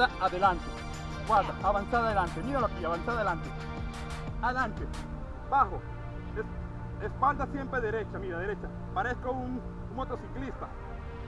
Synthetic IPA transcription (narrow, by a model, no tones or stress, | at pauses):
aaðelant̪e | bwaðaaβansaðaðelant̪emiolokejaβansaðaðelant̪e | aðelant̪e | baxo | es | espald̪asje̞mpɾeðe̞ɾet͡ʃamiɣaðe̞ɾet͡ʃa | paɾeskoun | mot̪o̞siklist̪a